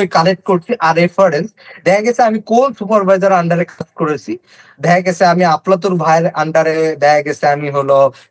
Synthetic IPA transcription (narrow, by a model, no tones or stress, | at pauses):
ikaleʈ̚koɽt͡ɕiʔaɾefəɾensd̪ʱajɡɛsɛamiːkonsupəɾʋʱajd͡zəɾaɳɖaɾekʰaskəɽəsi | d̪ʱajɡesɛ̃amiaplat̪̬uɾbʱajɾaɳɖaɾed̪ajɡɛsɛamiɦolɔ